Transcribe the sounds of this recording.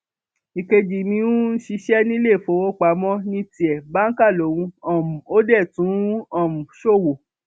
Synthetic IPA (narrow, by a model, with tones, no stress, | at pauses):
i˨ke˧d͡ʒi˨mĩ˧ũ˦n̩˦ʃi˧ʃɛ˦nĩ˦le˦˨fo˨˧˦wo˦k͡pa˨˦mɔ̃˦nĩ˧˦ti˨ɛ˨ba˦ŋ̩˦ka˦˨lo˨˦wũ˧ɔ˨mũ˨o˦dɛ˦˨tũ˨˦ɔ˦˨mũ˨ʃo˦˨wo˨